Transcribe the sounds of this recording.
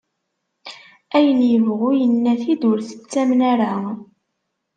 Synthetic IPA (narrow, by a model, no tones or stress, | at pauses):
æjənjəvʁʊjənːæθid̪ʊɾθə̥t͡sːæmnæɾa